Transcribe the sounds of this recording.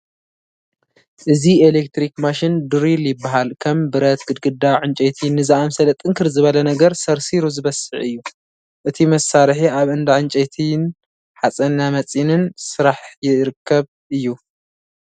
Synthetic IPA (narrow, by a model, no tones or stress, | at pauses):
ʔɨzielek̚t̪ɾikmaʃind̪ɨɾiljɪbːaɦalkʰɐmbɨɾɐt̪ɡɨd̪̚ɡɨd̪aʕɨnt͡ʃʼet̪ʰinːɨzaʔamsɐlɐt̪ʼɨŋkʰɨɾzɨβɐlɐnɐɡɐɾsɐɾsiɾuzɨβɐsɨʕɨjːu | ʔɨt̪ʰimɐsːaɾħiaβɨnd̪aʕɨnt͡ʃʼet̪ʰin | ħat͡sʼɐnːamɐt͡sʼinɨnsɨɾaħjɪɾɨkʰːɐβ | ʔɨjːu